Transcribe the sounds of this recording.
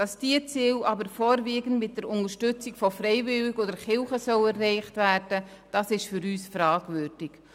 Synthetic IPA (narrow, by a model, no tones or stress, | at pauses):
d̥ɑsd̥iːət͡siːlɑbəɾfoːɾviːɡən̩tmɪt̚d̥ɛɾʊnəʃtʏt͡sɪkfɔfɾɛɪvɪlɪɡodəɾχɪlχəsœlɛrɛɪχtvæːɾd̥ə | d̥ɑsɪʃfʏɾyːsfɾɑːɡvʏɾd̥ɪk